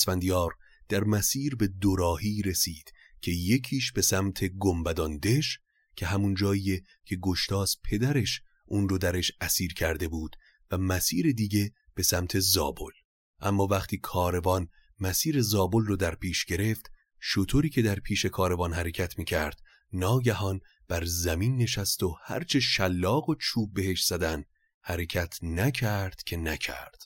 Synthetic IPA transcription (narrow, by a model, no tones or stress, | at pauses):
svænd̪ijɒːɾ | d̪̥æɾmæsiːɾbe̞d̪oɾɒːhiːɾe̞siːd̪̥ | cʰe̞je̞cʰiːʃbe̞sæmt̪ʰe̞ɡombæd̪ɒnd̪e̞ʃ | cʰe̞ɦæmund͡ʒɒːije | cʰe̞ɡoʃt̪ɒːst̪̚pʰe̞d̪æɾe̞ʃ | ʔuːnrod̪æɾeʃæsiːɾcʰæɾd̪e̞buːd̪̥ | væmæsiːɾe̞d̪iɟe̞ | b̥e̞sæmt̪ʰe̞zɒ̰ːbol | ʔæmːɒːvæχt̪ʰiːkʰɒːɾe̞vɒn | mæsiːɾe̞zɒːbolroːd̪æɾpʰiːʃɡ̥e̞ɾe̞ft̪ | ʃot̪ʰoɾiːcʰe̞d̪æɾpʰiːʃe̞kʰɒːɾe̞vɒːnhæɾe̞cʰæt̪ʰmiːcʰæɾd̪̥ | nɒːɟæɦɒn | b̥æɾzæmiːnːe̞ʃæst̪ohæ̰ɾt͡ʃʰe̞ʃælːɒːɣo̞t͡ʃʰuːb̚ːe̞he̞ʃz̥æd̪ænd̪ | hæɾe̞cʰæt̪ʰnæcʰæɾd̪̥cʰe̞næcʰæ̰ɾd̪̥